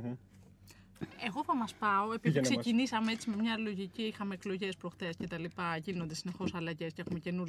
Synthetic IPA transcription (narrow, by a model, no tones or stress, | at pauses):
e̞ɣo̞θɐmɐspɐo̞e̞piksecinisɐmeet͡sime̞mɲɐlo̞ʝiciixɐme̞ːklo̞ʝe̞spɾo̞xθesce̞t̪ɐlipɐʝino̞nd̪esine̞xo̞sɐlɐʝe̞sceexume̞ce̞nuɾ